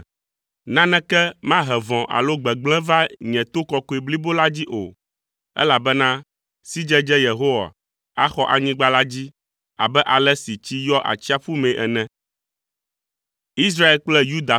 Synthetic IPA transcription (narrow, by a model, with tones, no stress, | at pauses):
nã˦nɛ̃˦kɛ˦mã˦ɦɛ˨vɔ̃˨ʔa̰˨lo˦ɡ͡bɛ˨ɡ͡blɛ̃˦va˦ɲɛ̃˨t̪o˦kɔ˨ko˨i˨bli˦bo˦la˦d͡ʑi˦ʔo̰˨ | ɛ̰˦la˨bɛ˦nã˦ | si˦d͡ʒɛ˦d͡ʒɛ˦je˨ɦo˦wa̰˨ | a˦xɔ˦ʔa˨ɲĩ˦ɡ͡ba˦la˦d͡ʑi˦ | a̰˨bɛ˦ʔa˨lɛ˦si˨t͡ɕi˦jɔ˦ʔa̰˨t͡ɕi˦a˨ɸu˦mẽ˨ʔɛ˨nɛ̃˦ | i˦s̬ɾa˦e˨lk͡plɛ˦ju˦d̪a˨